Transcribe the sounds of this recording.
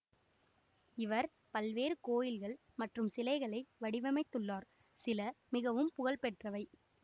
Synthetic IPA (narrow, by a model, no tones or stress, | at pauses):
ɪʋɐɾ | pɐlʋeːɾɯkoːjɪlɣɐɭ | mɐʈrɯmsɪlɐɪɣɐɭɐɪʋɐɽɪʋɐmɐɪt̪ːɯɭːaːɾ | sɪlɐmɪɣɐʋɯmpʊɣɐɭpɛʈrɐʋɐɪ